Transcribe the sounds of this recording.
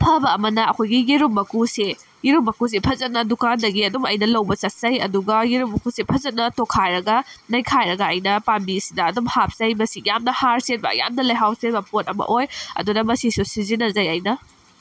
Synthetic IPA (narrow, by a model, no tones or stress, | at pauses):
pʰɐbɐːmɐnɐɐkʰojɡijiɾumːɐkuse | jiɾumːɐkus̬epʰɐzɐt̚nɐdukandɐɡiɐdumɐjnɐlɐwbɐsɐt̚zɐjɐduɡɐjiɾumːɐkusepʰɐzɐt̚nɐtokʰajɾɐɡɐnɐjkʰajɾɐɡɐːjnɐpambisidɐːdumhap̚zɐjmɐsijamnɐhaɾset̚bɐ̰ja̰mnɐlɐjɦawsebɐpot̚ɐmɐ̰ʔojɐ̰dunɐmɐsisusizinɐzɐjɐjnɐ